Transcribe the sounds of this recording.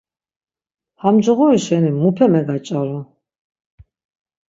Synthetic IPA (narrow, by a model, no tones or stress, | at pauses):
hamd͡ʒɔʁɔiʃɛnimupʰɛmɛɡat͡ʃʼaɾɔ